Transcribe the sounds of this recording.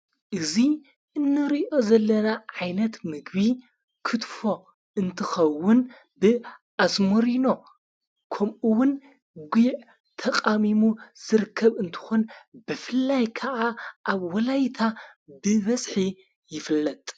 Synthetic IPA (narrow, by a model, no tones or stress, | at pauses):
ʔɨzi | ʔɨnːɨɾiʔo̞zɐlːɐnaʕajnɐt̪mɨɡβi | kʰɨt̪fo̞ | ɨnt̪ʰɨxɐwːʊn | bɨʔasmoɾino̞ | kʰɐmʔuwʊn | ɡʷiʕ | t̪ʰɐqʼamimuz̥ɨɾkʰːɐβɨnt̪ʰɨ̥xonbɨfɨlːajkʰɐʔaʔaβwɐlajt̪ʰabɨβɐsʼħi | jɪfɨlːɐt̪ʼ